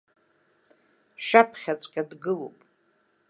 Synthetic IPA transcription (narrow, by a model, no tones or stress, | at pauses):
ʃapʰχʲat͡sʷʼkʲʼadɡɨlo̰wpʼ